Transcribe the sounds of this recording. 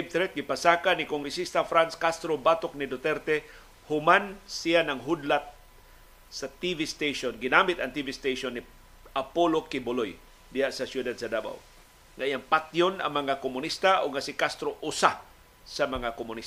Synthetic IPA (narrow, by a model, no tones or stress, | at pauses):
b̚t̪ɾɛt̪̚ɡɪpasakanɪkoŋɡɾɛsist̪afɾanskast̪ɾobat̪ok̚nɪd̪ot̪ɛɾt̪ɛ | hʊmansijanaŋɦud̪lat̪̚ | sat̪ivist̪ejʃonɡɪnamɪt̪aŋt̪ivist̪ejʃonːɪ | ʔapolokɪbʊloj | d̪ɪhaʔsasjud̪ad̪̚sad̪aba̰w | ŋaʔiaŋpat̪jona̰ŋmɐŋakomʊnist̪aʔʊɡ̚ŋasɪkast̪ɾoʔʊsa | samɐŋakomʊnis